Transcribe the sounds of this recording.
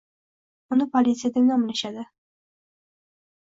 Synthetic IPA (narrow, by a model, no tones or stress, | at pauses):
ʊnɪpʰolʲit̪sɨjad̪ɪmɒnbɪlɪʃad̪ɪ